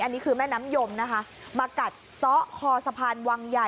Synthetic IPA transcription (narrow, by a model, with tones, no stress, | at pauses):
ʔa˧nːi˦˥kʰɯː˧mɛː˥˩naː˦˥mjo˧mna˦˥kʰa˦˥ʔ | maː˧ka˨˩t̪̚sɔ˦˥ʔkʰɔː˧sa˧pʰaː˧nwaː˧ŋja˨˩